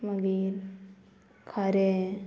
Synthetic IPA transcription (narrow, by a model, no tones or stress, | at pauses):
maɡiɾ | kʰaɾe